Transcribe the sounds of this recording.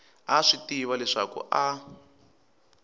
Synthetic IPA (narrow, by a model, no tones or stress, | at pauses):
aʂitiwalɛʂa̰kṵʔa